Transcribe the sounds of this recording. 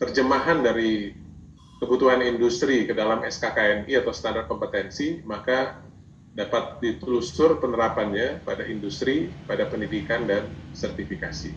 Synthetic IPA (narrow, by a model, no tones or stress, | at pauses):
t̪ərd͡ʒəmaɦandaɾi | kəbut̪uɦanindust̪ɾikədalamɛskakaɛniat̪awst̪andar̚kɔmpət̪ɛnsimaka | dapat̪̚dit̪lusʊrpənəɾapanɲapadaʔindust̪ɾipadapəndidikandansərt̪ifikasḭ